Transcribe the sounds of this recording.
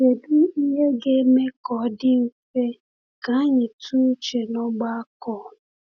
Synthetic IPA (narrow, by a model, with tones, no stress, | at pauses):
e˨du˦i˦ɦe˦ɡe˦me˦kɔ˨˦dɪ˦m̩˦fe˦ | ka˨˦a˦ɲɪ˨tʰu˦t͡ʃe˨nɔ˦ɡ͡ba˦a˦kɔ˦˨